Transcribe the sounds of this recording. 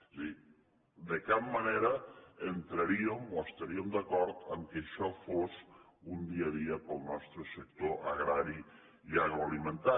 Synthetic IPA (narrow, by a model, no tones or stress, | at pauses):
i | d̪ekab̚maneɾɐent̪ɾaɾiomoest̪aɾiomd̪akɔɾt̪əmkeʃɔfoz | und̪iaðiəpəlˠnɔst̪ɾəsək̚t̪oʔaɣɾaɾi | iaɣɾoalimẽnt̪a